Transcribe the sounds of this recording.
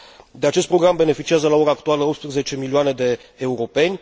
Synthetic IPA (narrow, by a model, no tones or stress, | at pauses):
d̪e̞at͡ʃest̪pɾoɡɾambe̞ne̞fit͡ʃiazəlao̞ɾaːkt̪ualəopt̪spɾəze̞t͡ʃe̞milioane̞d̪e̞ːuɾo̞pe̞nʲ